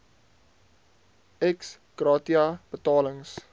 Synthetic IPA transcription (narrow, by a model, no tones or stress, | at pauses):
ɛks | ɡ̥rɑːtiɐb̥ətɑːləŋs